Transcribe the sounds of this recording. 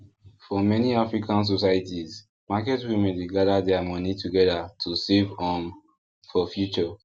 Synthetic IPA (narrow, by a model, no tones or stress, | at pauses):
fɔmɛniafɹikʰãns̬ɔsajatiz | makɛtwimɛ̃ndeɡadadɛamɔnitʰuɡɛdatʰusevɔ̃n | fɔfjut͡ʃɔ